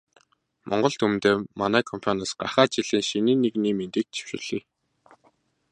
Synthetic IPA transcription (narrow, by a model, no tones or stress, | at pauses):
mʔɔ̰ɴɢɞ̆ɮt̪umt̪eːmanæːkʰɔmpʰajnăsɢaχaːt͡ɕiɮiːŋʃiniːnːekniːment̪iːk̚t͡ɕʰi̥wʃʊ̰̆ːɮ̥iː